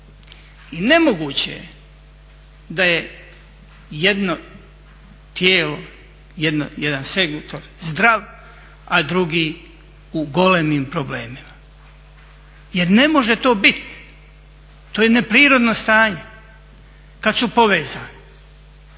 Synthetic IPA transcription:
ine̞moɡuːt͡ɕḛjḛ | d̪aje | jed̪no | t̪jeːlo | jed̪no̰jed̪anse̞ɡut̪oɾzd̪ɾaʋ | ad̪ɾuɡiː | uɡo̞lemiːmpɾoble̞ːmima | jeɾne̞mo̞ʒe̞t̪o̞ːbit̪ | t̪oːjene̞pɾiːɾo̞d̪nost̪aːɲe | kad̪supo̞ʋeːzaːni

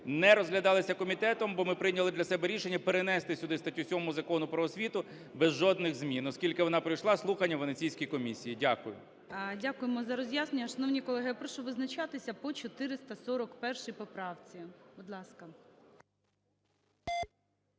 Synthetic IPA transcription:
nɛɾɔzɦlʲɐd̪ɑlˠɪsʲɐkɔmʲit̪ɛt̪ɔmbɔmɪpɾɪjnʲɐlˠɪd̪lʲɐsɛbɛɾʲiʃenʲːɐpeɾenɛst̪ɪsʲʊd̪ɪst̪ɐtʲːusʲɔmʊzɐkɔnʊpɾɔːsʲʋʲit̪ʊ | bɛzʒɔd̪nɪɣzmʲinɔskʲilʲkɪʋɔnɑpɾɪjʃlˠɑslˠuxɐnʲːɐʋɔnet͡sʲijsʲkɔjkɔmʲisʲijidʲakʊjʊ̰ | dʲakʊjemɔzɐɾɔzʲjaznenʲɲʲːɐʃɐnɔwnʲikɔlˠɛɦɪjpɾɔʃɔʋɪznɐt͡ʃɑt̪ɪsʲɐpɔt͡ʃɔt̪ɪɾɪst̪ɐsɔɾɔkpɛrʃɪjpɔpɾɑwt͡sʲibʊd̪lˠɑskɐ

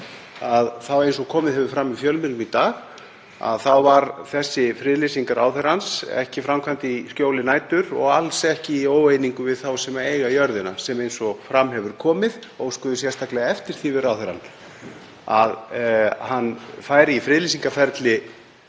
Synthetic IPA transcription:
aðθawejns̬ɔkʰɔːmɪðhɛvʏ̥fɾamːifjœlmɪlmit̪aːɣ | a̰ðθawvaɾθɛsːɪfɾɪːðlisiŋkaɾa̰wθɛɾansɛ̰hcɪfɾamkʰvant̪ɪiscjoːwlɪnaːjt̪ʏɾɔ̰ɣalsɛhcɪioːwejniŋkʏvɪðθawsɛmaejɣajœɾðɪnasɛmejnsɔfɾamːɦɛvʏɾ̥kʰɔːmɪðowskʏðʏsjɛrst̪ʰaklɛɣaɛft̪ɪɾ̥θɪvɪɾawθɛɾa̰n | aðhanːfaːjɾɪifɾɪːðlisiŋkafɛɾt̪lɪ

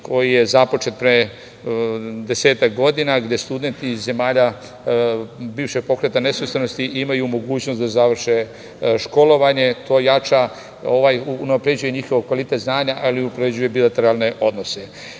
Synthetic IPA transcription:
kʰo̞jije̞zapo̞t͡ʃe̞t̪̚pɾe | d̪e̞se̞ːt̪akɡo̞d̪inaɡd̪je̞st̪ud̪e̞nt̪ize̞maːʎa | biːʋʃe̞ɡ̚po̞kɾe̞t̪anesest̪eno̞st̪iʔimajumo̞ɡuːt͡ɕnot̪azaʋr̩ʃe | ʃko̞lo̞ʋaɲe̞t̪ʰo̞ːjat͡ʃa | o̞ʋajuunapɾe̞d͡ʑuje̞ɲixo̞ʋokʋalit̪e̞t̪znaːɲaʔaliupɾed͡ʑuje̞bilat̪e̞ɾalne̞ʔo̞d̪no̞se̞

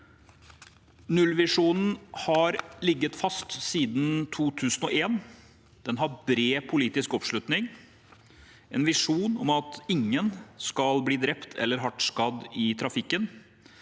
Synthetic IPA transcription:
nʉlʋɪʂuːnn̩hɑɾlɪɡːət̪fɑst̪siːd̪n̩t̪ʰuːt̪ʰʉːsən̩ɔːʔeːn | d̪̥ɛnɦɑɾbɾeːpʰʊliːt̪ɪskɔpʂɭʉt̪nɪŋ | ɛnʋɪʂuːnɔmɑt̪ɪŋːənskɑlbliːd̪ɾɛpt̪ʰɛ̰lːəɾɦɑʈskɑd̪ɪt̪ʰɾɑfɪkːən

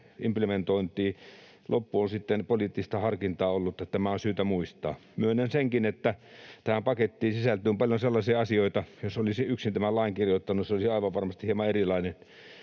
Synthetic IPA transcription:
implement̪oint̪ˑiː | lʔopːuonsit̪ːenpolit̪ːist̪ɑhɑrkint̪ɑːolːut̪ːɑt̪æmæonsyːt̪æmuist̪ɑ̰ːmyønːenseŋkinet̪ːæt̪æhæmpɑket̪ːiːsisælt̪yːmpɑljonselːɑsiːɑsioit̪ɑjosolisiyksint̪æmælɑˑiŋkirjot̪ːɑnusseolisiɑˑiʋɑʋʋɑrmɑst̪i̥hiemɑerilɑine

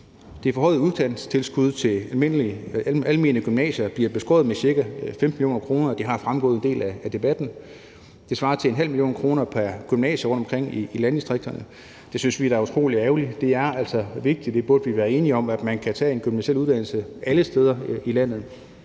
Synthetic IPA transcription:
d̥efɒhɒ̽ːð̩ˠuð̞ˠd̥æn̰t͡sʰe̝lsɡ̥uð̞ˠt͡sʰe̝ælme̝n̰liælme̝nəɡ̥ymnɛ̰ːɕɐb̥liɐb̥e̝sɡ̥ɔ̰̽ːð̩ˠmesiɐɡ̥æfem̥milio̝̰ːnɐkʰʁo̝ːnɐːd̥iɦɑ̈fʁamɡ̥ɔ̽ð̩ˠende̝̰ːlææd̥e̝b̥æd̥n̩ | d̥e̝sʋɑ̈ːɐt͡sʰe̝enɦæl̰milio̝̰ːnkʰʁo̝ːnɐpʰæɐɡ̥ymnɛ̰ːɕəʁɔ̽nd̥ɒmŋkʰʁeŋ̰iːlænd̥isd̥ʁeɡ̥̚d̥ɐnə | d̥e̝synsʋidæɐut͡sʰʁo̝̰ːliæʊlid̥e̝æɐæl̰sɒ̽ʋe̝ɡ̥̚d̥i̥d̥e̝b̥oɐd̥əʋiʋæːɐe̝ːniɒ̽mæd̥mænkʰæt͡sʰɛ̰ːenɡ̥ymnæɕeluð̞̥ˠæn̰l̩səʔæləsd̥eːð̞ˠɐilæn̰ð̞̩ˠ

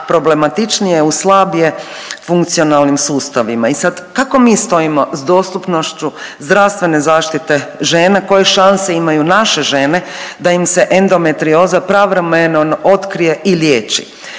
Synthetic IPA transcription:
pɾo̞ble̞mat̪it͡ʃnijeuslˠabje̞ | fuŋkt̪sio̞nalˠnimsuːst̪aʋimaisad̪kako̞miːst̪o̞imo̞zd̪o̞ːst̪upno̞ʃt͡ʃuzd̪ɾaʋst̪ʋe̞ne̞zaːʃt̪it̪e̞ʒe̞ːnako̞je̞ʃanse̞imajunaʃe̞ʒe̞ne̞d̪aimse̞ʔend̪o̞me̞t̪ɾio̞zapɾaʋɾemenonʔo̞t̪kɾije̞ʔiljeːt͡ʃḭ

